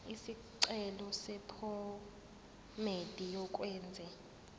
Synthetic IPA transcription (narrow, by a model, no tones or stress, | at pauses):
isiǀɛlɔsɛpʰɔ | med̥ʱijɔk̬ʼwɛːnd͡zʱɛ